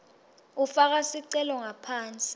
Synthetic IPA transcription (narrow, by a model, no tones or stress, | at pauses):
ufak̬asiǀɛlɔŋapʰaːnt͡sʼi̥